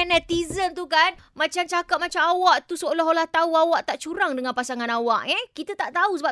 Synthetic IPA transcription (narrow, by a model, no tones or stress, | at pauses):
anat̪izənt̪ukan | mãt͡ʃamt͡ʃakat̚mãt͡ʃamawaʔt̪usəolaɦolaht̪auawaʔt̪aʔt͡ʃuɾaŋdəŋãnpasaŋãnawaʔɛkit̪ət̪aʔt̪ausəba